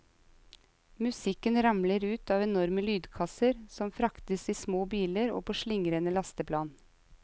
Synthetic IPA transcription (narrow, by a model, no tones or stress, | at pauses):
mʉsɪkənɾɑmləɾʉːt̪ɑːʋɛnɔɾməlyːd̪kʰɑsəɾsɔmfɾɑkt̪əsiːsmoːbiːləɾo̰ːpʰoːʃlɪŋɾənəlɑst̪əpʰlɑːn